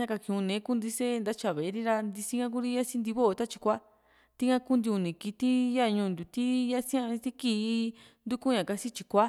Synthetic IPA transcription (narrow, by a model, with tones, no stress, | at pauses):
ɲã˦ka˧kĩ˧ũ˧nẽ˨˦ku˦nd̪i˧se˦˧nd̪a˦t͡ʃa˧˨βe˨˧ɾi˦ɾa˧nd̪i˧si˦ŋã˦k̬u˦ɾi˦ja˦si˦nd̪i˧βo˦o˧t̪a˦t͡ʃi̥˧kʷa˦ | t̪i˦ŋã˦ku˦nd̪i˧u˧nĩ˨ki˧t̪i˦ja˦˧ɲũ˧nd̪ʲu˨t̪i˦ja˦sĩ˦ã˦˧ɾi˧t̪i˦kiː˦˧˦ | nd̪u˦ku˦ɲã˨ka˧si˦t͡ʃi˧kʷa˦